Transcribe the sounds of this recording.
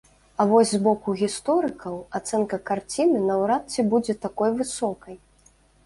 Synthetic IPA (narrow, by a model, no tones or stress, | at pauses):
ɐvɔzʲzbɔkuɣʲist̪ɔɾɨkʰɐwat̪sɛnkɐkart͡sʲinɨnɐwɾat̪t͡sʲibud͡zʲɛt̪akɔjvɨsɔkɐj